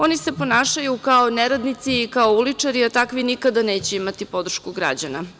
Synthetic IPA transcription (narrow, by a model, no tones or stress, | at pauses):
o̞nise̞po̞naːʃajukaoneɾad̪nit̪siːkaoulit͡ʂaɾiat̪akʋinikad̪aneːt͡ɕeimat̪ipo̞d̪ɾ̩ʃkuɡɾa̰d͡ʑana